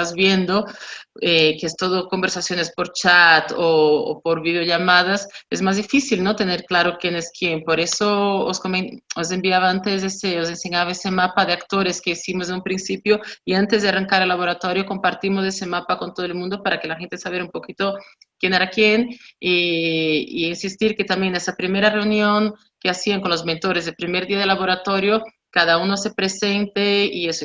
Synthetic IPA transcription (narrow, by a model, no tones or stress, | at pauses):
azβjend̪oekest̪oðokombeɾsasjo̞nespoɾt͡ʃat̪o̰ːpoɾβið̞eoʝamað̞asezmazðifisilnot̪eneɾklaɾokjeneskjempoɾesooskomeos̬e̞mbiaβaant̪ezeseos̬enseɲaβaesemapaðeakt̪oɾeskeisimoz̬eumpɾinsipjoiant̪ezðearaŋkaɾelːaβoɾat̪oɾjokompaɾt̪imos̬esemapakont̪oðelmũnd̪opaɾakelaxent̪esaβeɾumpokit̪o | kjeneɾakjeni | ḭinsist̪iɾket̪ambjenesapɾimeɾareunjoŋ | keasiaŋkonlozmẽnt̪oɾezðelpɾimeɾðiaðelaβoɾat̪oɾjo | kaðaunosepɾesent̪eies